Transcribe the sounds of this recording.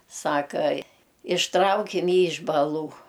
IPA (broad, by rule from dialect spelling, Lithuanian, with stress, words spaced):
ˈsɑːkɐ ɪʃˈtrɐʊkʲɪm ˈjiː ɪʃ bɐˈlˠuː